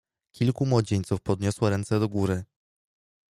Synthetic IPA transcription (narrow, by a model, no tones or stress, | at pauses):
kʲilkumwɔd͡ʑeɲʲt̪sufpɔd̪̚ɲɔswaɾɛnt̪sɛd̪ɔɡuɾɘ